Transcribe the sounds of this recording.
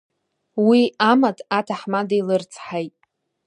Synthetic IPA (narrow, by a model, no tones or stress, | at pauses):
wiamatʰatʰaħmadejlɨrt͡sʰʼħajtʼ